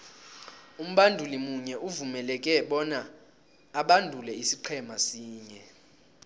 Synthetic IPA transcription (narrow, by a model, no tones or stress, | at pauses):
um̩ɓandʱulimuɲɛʔuvumɛlɛkʼɛɓɔnaː | ɓandʱulɛisiǃʰɛmasiːɲɛ